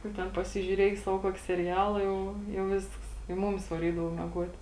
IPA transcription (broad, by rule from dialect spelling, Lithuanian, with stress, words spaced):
nʊ ˈtʲɛn pɐsʲɪʒʲuːˈrʲiɛj ˈsɑːʋoː ˈkuɔkʲɪ sʲɛˈrʲæːlˠɐ ˈjɛʊ jɛʊ ˈʋʲɪsks ɪ ˈmʊmʲɪs ʋɐˈrʲiːdɐʋoː mʲiɛˈɡuɔt